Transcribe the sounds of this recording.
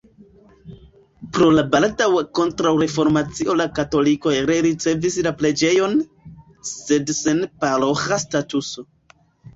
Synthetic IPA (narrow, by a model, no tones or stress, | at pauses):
pɾo̞labaltawko̞ntɾawɾe̞fo̞ɾmat͡siʔo̞lakato̞liko̞jɾeɾit͡se̞vislaple̞d͡ʒe̞jo̞n | se̞dsenpaɾoxastatuso̞